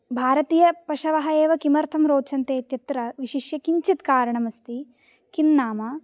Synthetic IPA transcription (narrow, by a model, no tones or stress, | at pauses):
bʱaːɾɐt̪iːjɐpɐʃɐʋɐɦɐeːʋɐkimɐɾt̪ʰɐmɾoːt͡ʃɐnt̪eːt̪jɐt̪ɾɐʋiʃiʃjɐkiɲt͡ʃit̪kaːɾɐɳɐmɐst̪i | kinnaːmɐ